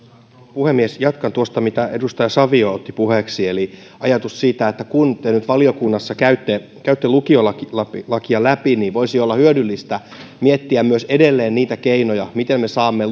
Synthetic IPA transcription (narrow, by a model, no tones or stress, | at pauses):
puhemːiesjɑt̪kɑnt̪uost̪ɑmit̪æedust̪ɑjɑsɑʋioot̪ːipuheksieli | ɑjɑt̪ussiːt̪æet̪ːækunt̪enyt̪ʋɑliokunːɑsːɑkæyt̪ːe | kæyt̪ːelukiolɑklɑlɑkiɑlæpiniːʋʋoisiolːɑhyødylːist̪æ | miet̪ːiæmmyøsedelːeːnniːt̪ækeinojɑmit̪emmesɑːmːe